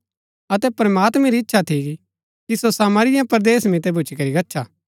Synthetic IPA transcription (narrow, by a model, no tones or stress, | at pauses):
ɐt̪ɛpɾɐmaːt̪mɛ̃ɾiɪtːʃʰat̪ʰi | kisosaːməɾɪjãpɐɾd̪eːsmɪt̪ebʱʊt͡ʃʰikɐɾiɡɐtːʃʰaː